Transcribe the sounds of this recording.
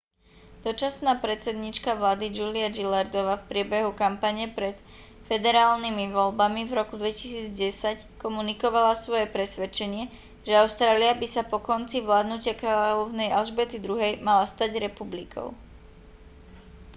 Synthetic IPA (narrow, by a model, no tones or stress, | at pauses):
d̪̥ɔt͡ʃasnaːpɾɛt̪t͡sɛd̪ɲiːt͡ʃkaʋlaːd̪id͡ʒuliad͡ʒilaɾd̪ɔʋaːfpɾɪɛbɛɦukampaɲɛpɾɛt̪ | fɛd̪ɛɾaːlnimiʋɔlbamivɾɔkud̪ʋɛci̥siːd͡zɟɛsackɔmunikɔʋalasʋɔjɛpɾɛsʋɛt͡ʃɛɲɪɛ | ʒɛaʊst̪ɾaːliabisapɔkɔnt͡siʋlaːd̪nucɪakɾaːʎɔʊnɛjʔalʒbɛt̪id̪ɾuɦɛjmalast̪aɟɾɛpublikʰɔ̰ʊ